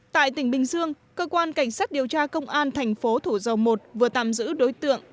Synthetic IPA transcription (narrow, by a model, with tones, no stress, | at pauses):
t̪a̰ː˧˨jt̪ï˧˩ŋ̟ɓï˨˩ŋ̟zɨ˧əŋ | kəː˧kwaː˧nka˧˩jŋ̟saː˦˥t̚ɗi˨˩əwt͡ɕaː˧kə˧wŋ͡mʔaː˧nt̪ʰɛ˨˩jŋ̟fo˨˦t̪ʰu˧˩zə˨˩wmo˨˩t̚vɨ˨˩ət̪a̰ː˧˨mzɨ̰˧˥ɗo˨˦jt̪ɨ̰˧˨əŋ